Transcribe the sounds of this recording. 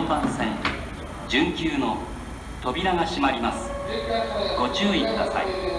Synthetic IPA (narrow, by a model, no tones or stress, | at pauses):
mbãñsẽn | d͡ʑɨ̃ŋkʲɨːno̞ | t̪o̞bʲiɾaŋaɕimaɾʲimasɨ̥ | ɡ̥o̞t͡ɕɨːikɯ̟d̪asa̰ḭ